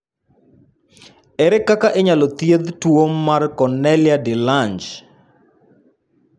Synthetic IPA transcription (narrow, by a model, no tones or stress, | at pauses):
ɛɾɛkakaʔeɲalɔt̪jed̪twomːarkɔnɛljadɪlaɲd͡ʒ